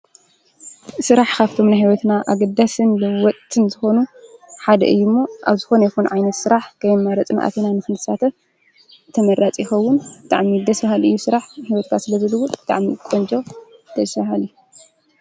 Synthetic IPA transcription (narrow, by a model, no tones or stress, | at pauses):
sɨɾaħkaβt̪ʰo̞mnaɦiwɔt̪naʔaɡɐd̪ːasɨnlɐwɔt̪ʼt̪ʰʼːɨnzɨxo̞nuħad̪ɐ̰ʔɨjːumːoʔa̰βzɨxo̞nɐjɛxunʕajnɐt̪sɨɾaħkʰɐjmmaɾɐt͡sʼmʔa̰t̪ʰenanɨxɨnɨsat̪ʰɐ | t̪ʰɐmɐɾat͡sʼjɪxɐwːʊnbɨt̪ʼa̰ʕmid̪ɐsfahalʔɨjːusɨɾaħhiwɔt̪̚kʰasɨlɐzɨlɨwubɨt̪ʼa̰ʕmikʼond͡ʒʼo̞d̪̥ɐsfahalɨju